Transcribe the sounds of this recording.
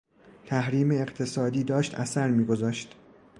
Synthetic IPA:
t̪ʰæhɾiːmeːqt̪ʰe̞sɒːd̪iːd̪ɒːʃt̪æsæɾmiːɡozɒːʃt̪

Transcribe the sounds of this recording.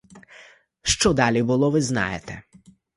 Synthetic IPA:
ʃt͡ʃɔd̪ɑlʲibʊlˠɔʋɪznɑ̰jet̪ɛ

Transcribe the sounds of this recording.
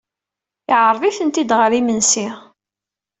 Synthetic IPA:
ɪʕəɾˤðˤiθənt̪id̪ʁəɾimənsi

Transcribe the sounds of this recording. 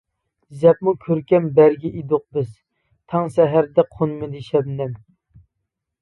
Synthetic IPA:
zɛp̚mukʲʰøɾkʲɛmbæɾɡʲɛʔid̪oq̚bɪz̥ | t̪ʰɑŋsɛɦæɾd̪ɛqʰonmɨd̪ɪʃɛbnɛm

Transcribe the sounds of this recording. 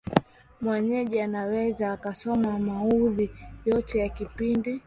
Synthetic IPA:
mwɛɲɛʄianawɛzaːkasɔmamahuðijɔtɛjakipindi

